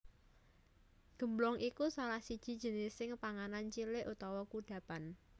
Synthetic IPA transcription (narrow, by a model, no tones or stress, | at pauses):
ɡ̥ə̤mblɔŋʔikusaɾahsid̥ʒ̥i̤d̥ʒ̥ə̤nɪsɪŋpaŋanant͡ʃilɪʔut̪ɔwɔkuɖ̥ä̤pan